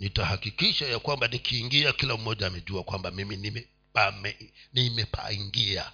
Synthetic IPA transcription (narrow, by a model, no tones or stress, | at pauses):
nitahakikiʃajakwambanikʰiːŋɡiakilam̩mɔʄaːmɛʄuakwambamiminimɛ | pamɛnimɛpa̰iŋɡia̰